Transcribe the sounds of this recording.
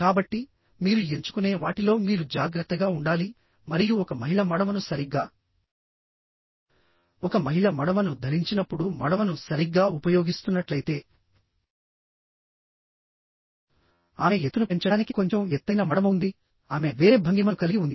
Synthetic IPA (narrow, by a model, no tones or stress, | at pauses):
kaːbɐʈːi | miːɾue̞ɲt͡ʃu̥kune̞ːʋaːʈilo̞ːmiːɾud͡ʒaːɡɾɐt̪ːɐɡaːuɳɖaːli | mɐɾijuɔkɐmɐɦiɭɐmɐɽɐmɐnusɐɾiɡːaː | ɔkɐmɐɦiɭɐmɐɽɐʋɐnud̪ʱɐɾiɲt͡ʃinɐpːuɽumɐɽɐʋɐnusɐɾiɡːaːupɐjo̞ːɡist̪unːɐʈlɐjt̪e̞ː | aːmeet̪ːunupe̞ɲt͡ʃɐaːniki̥ko̞ɲt͡ʃemɛt̪ːɐjnɐmɐɽɐmund̪i | aːme̞ʋe̞ːɾeːbʱɐŋɡimɐkɐliiund̪i